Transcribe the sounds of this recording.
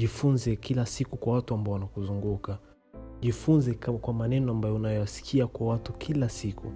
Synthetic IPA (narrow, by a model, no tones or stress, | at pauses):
ʄifunzɛkilasikukwawatuambaɔwanakuzuŋɡuka | ʄifunzɛkwamanɛnɔambajɔunajɔwasi̥kʰiakwawatukʰilasikṵ